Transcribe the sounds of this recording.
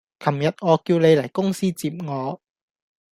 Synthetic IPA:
kʰɐ˨˩mjɐ˨t̚ŋɔː˨˧kiː˧wne˨˧jlɐ˨˩jkʊ˥ŋsiː˥t͡siː˧˨p̚ŋɔː˨˧

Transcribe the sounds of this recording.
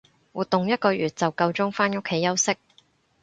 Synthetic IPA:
wuː˨t̪ːʊ˨ŋjɐ˥t̚kɔː˧jyː˨t̚t͡sɐ˨wkɐ˧wt͡sʊ˥ŋfaː˥no˥kʰːe˨˧˥jɐ˥wsɪ˥k̚

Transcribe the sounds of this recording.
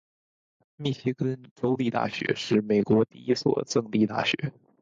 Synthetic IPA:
mi˥˩ɕi˥kə˥nʈ͡ʂo˥ʊli˥˧t̪a̰˥˩ɕɥɛ̰˧˥ʂɻ̩˥˩me˨˩ɪkwɔ˧˥t̪i˥˩i˥swɔ̰˨˩t͡sɤ˥˧ŋt̪i˥˧t̪a̰˥˩ɕɥɛ̰˧˥

